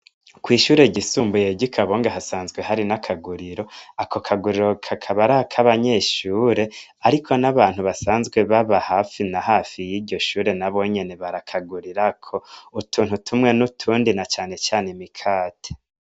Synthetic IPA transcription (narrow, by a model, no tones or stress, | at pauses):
kwiːʃuːɾe̞ɟisuːmbuje̞ɟikʰaβoːŋɡaɦasaːnzɡwe̞ɦaɾinakʰaɡuɾiɾo̞akokʰaɡuɾiɾo̞kʰakʰaβaɾakʰaβaɲe̞ːʃuːɾe̞ | aɾikʰo̞naβaːn̥huβasaːnzɡwe̞βaβahaːfinahaːfijiɟo̞ʃuːɾe̞naβo̞ɲe̞ne̞βaɾakʰaɡuɾiɾakʰo̞utʰuːn̥hutʰumŋe̞nutʰuːndinat͡ʃaːne̞t͡ʃaːne̞mikʰaːtʰe̥